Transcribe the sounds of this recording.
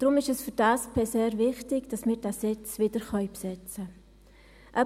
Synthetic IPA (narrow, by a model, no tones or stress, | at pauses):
d̥ɾʊmɪʃɛsfyɾd̥aːspʰɛseːɾvɪχtɪɡ̥d̥asmɪːɾd̥asɪt͡sʋɪd̥əɾχœʏpsɛt͡sə | ʔœ